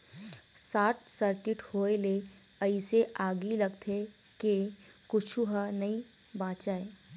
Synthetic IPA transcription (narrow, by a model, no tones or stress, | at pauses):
saːʈ̚ʰsəɾkɪʈhoːele | ɐɪseʔaːɡilɐɡt̪ʰe | ke | kʊt͡ʃʰuɦanɐi | baːt͡ʃaːeː